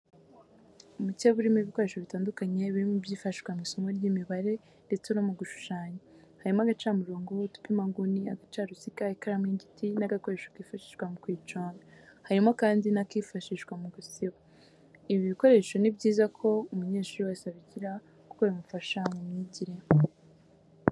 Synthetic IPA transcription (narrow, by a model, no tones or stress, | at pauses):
umuceβuɾimiβiko̞ɾe̞ːʃo̞βitaːndukaɲe̞βiɾimubɟiːfaʃi̥ʃwamŋiːso̞mɡoɾɟimiβaɾe̞ | nde̞t͡senomuɡuʃu̥ʃaːɲe | haɾimoaɡat͡ʃaːmuɾoːŋɡo̞tu̥pimaɡuniaɡat͡ʃaːɾusikaikaɾamŋiːɲɟitʰinaɡako̞ɾe̞ʃo̥kiːfaʃi̥ʃɡwamukwiːt͡ʃoːŋahaɾimakaːndinakifaʃiʃɡwamuɡusiβa | iβiβiko̞ɾe̞ʃo̞nibɟiːzakʰo̞umuɲe̞ːʃuɾiwasaβiciɾa | ko̥koimufaʃamumɲiɟiɾe